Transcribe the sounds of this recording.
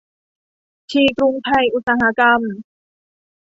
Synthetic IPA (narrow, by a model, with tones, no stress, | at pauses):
t͡ɕʰiː˧˩kɾu˧ŋt̪ʰa˧˩jʔu˧˥t̪̚saː˧ɦa˧˥ka˧m